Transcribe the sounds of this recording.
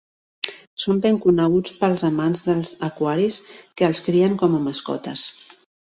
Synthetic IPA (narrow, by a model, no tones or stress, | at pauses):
sombeŋkunəɣ̞ut͡spəlˠzəmanzðəlˠz̥əkwaɾiskəːlˠskɾiəŋkɔməməskɔ̰t̪əs